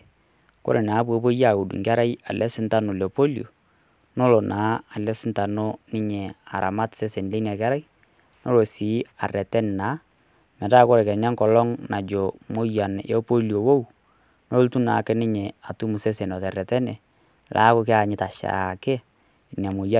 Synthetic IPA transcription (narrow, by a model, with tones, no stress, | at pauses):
ko̰˦ɾe˨na˨˦po˨˦po˦ja˦˨u˨dṵ˨ŋɡa˦ɾa˦ja˨lɛ˦sɪ˦nta˦no˨le˨po˦lio̰˨ | no˦lo˨nʔaː˨˦a˨lɛ˦sɪ˦nta˨no˦nɪ˦ɲɛ˨a˨ɾa̰˨ma˦tse˦se˨n˨le˦na˨ka˦ɾa˦j | no˦lo˨si˨˦a̰˨rɛ˨tɛ˦n˨na˨˦ | mɛ˨ta˦ko˦ɾe˨kɛ˨ɲa˦ŋkɔ˨lɔ˦ŋna˨d͡ʒo˨mo˦ja˨nɔ˦po˦li˨o˨wo˦w | no˦ltu˦na˨kɛ˦nɪ˦ɲɛ˨a˨tu˦mu˨se˦se˨nɔ˨tɛ˨ɾɛ˨tɛ˦nɛ˨ | lʔa̰ː˦ko˦kɪ˦a˨ɲɪ˦ta˨ʃa̰˨ke˦˨ | na˨mo˨ja˦